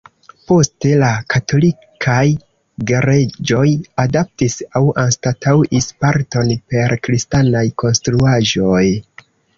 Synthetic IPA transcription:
po̞ste̞lakatʰo̞li | kʰaj | ɡeɾe̞d͡ʒo̞jadap̚tisawanstatʰawʔispaɾto̞npe̞ɾkɾistanajko̞nstɾuaʒo̞j

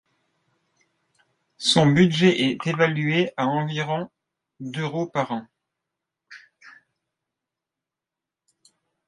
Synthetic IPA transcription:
sɔ̃byd̪ʒɛʔɛt̪evalyeʔaɑ̃viʁɔ̃ | d̪øʁopaʁɑ̃

